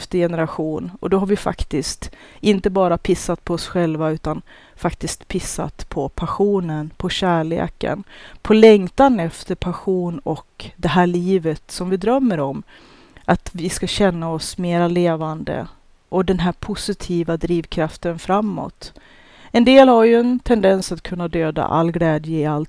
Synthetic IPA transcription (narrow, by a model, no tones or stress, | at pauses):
ft̪əjɛnəɾaɧuːnɔ̰d̪ɔɦaɾvɪfa̰kt̪ɪst̪ɪnt̪əbɑːɾapʰɪsːat̪̚pʰɔɔsɧɛlvaʉ̟ːt̪an | fakt̪ɪst̪pʰɪsːa̰t̪pʰɔpʰaɧuːnənpʰɔɕæːɭḛːkə̰npʰɔlɛŋt̪anɛft̪əɾpʰaɧuːnɔkd̪ɛɦæːɭiːvət̪sɔmvɪd̪ɾœmːəɾɔm | ʔat̪vɪskaɕɛnːaɔsmeːɾaleːvand̪ə̰ | ʔɔd̪ɛnɦæːɾpʰʊsɪt̪ʰiːvad̪ɾiːvkʰɾaft̪ənfɾamːɔ̰t̪ | ɛnd̪eːlhaɾjɵɛnt̪ʰɛnd̪ɛnsat̪kʰɵnːad̪øːd̪a̰ʔa̰lːɡlɛːd̪jəɪalt̪